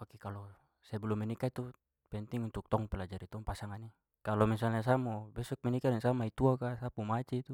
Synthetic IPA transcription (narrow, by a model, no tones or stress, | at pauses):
pakikalɔ | sɛbulumɛnikait̪u | pɛnt̪iŋunt̪uk̚t̪ɔŋpɛlad͡ʒaɾit̪ɔŋpasaŋani | kalɔmis̬alnas̬amɔbɛsɔk̚mɛnikadɛŋsamait̪uakasapumat͡ʃɛt̪u